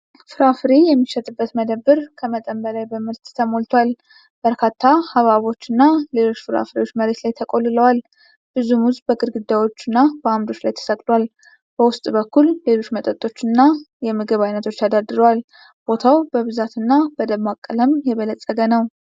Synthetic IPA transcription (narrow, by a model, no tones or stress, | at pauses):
fɨɾafɾijɛmːiʃɛt̪ʼɨbːət̪məd̪əbːɨɾkʰəmət̪ʼəmbəlajbəmɨɾt̪t̪ʰəmo̞lt̪ʰwal | b̥əɾkʰat̪ʰːahaβaβo̞t͡ʃːɨnːale̞lo̞t͡ʃːfɨɾa̰fɾiot͡ʃːməɾe̞t̪lajt̪ʰəkʼo̞lːɨləwal | b̥ɨzumuzbəɡɨɾɡɨd̪ːawo̞t͡ʃːɨnːabəamd̪o̞t͡ʃːlajt̪ʰə̥sək̪ʼlwal | b̥əwʊst̪ʼbəkʰːulːe̞lo̞t͡ʃːmət̪ʼət̪ʼːo̞t͡ʃːɨnːa | jɛmɨɡɨβajnət̪ʰo̞t͡ʃːad̪ad̪ɨɾəwal | b̥o̞t̪ʰawbəβɨzat̪ɨnːabəd̪əβmakʼːələmjɛβələsʼːəɡənəw